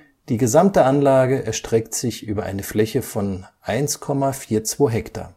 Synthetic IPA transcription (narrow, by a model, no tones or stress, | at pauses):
d̥iːɡəzamtəʔanlaːɡəʔɛɐʃtʁ̥ɛktz̥ɪçʔyːbɐʔa̰ɪnəflɛçəfɔnʔaɪnskʰɔmafiːɐt͡sv̥oːɦɛkta̰ː